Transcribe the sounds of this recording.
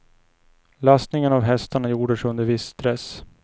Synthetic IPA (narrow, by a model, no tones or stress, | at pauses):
last̪nɪŋənavɦɛst̪aɳajuːɖəʂɵnd̪əɾvɪsːt̪ɾɛs